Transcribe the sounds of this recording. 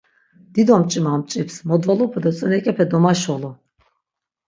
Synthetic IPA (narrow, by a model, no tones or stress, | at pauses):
d̪̥id̪ɔmt͡ʃʼimamt͡ʃʼipsmɔd̪valˠupʰud̪ɔt͡sʼɔnɛkʼɛpʰɛd̪ɔmaʃɔlˠu